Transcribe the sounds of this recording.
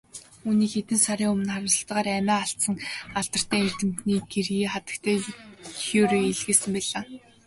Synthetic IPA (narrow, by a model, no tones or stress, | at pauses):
uːniːkxet̪ɘ̆nsaɾiːʊmɘ̆nχaɾə̆sə̆ɬt̪ə̆ʁaːɾæmʲæːaɬt̪sə̆ŋaɮt̪ə̆r̥t̪ʰæːer̥t̪ɘ̆m̥t̪niːɡerɣiːχat̪ə̥̆kt̪ʰæːxoːɾeːiɮɣeːsɘ̆mpæɮaː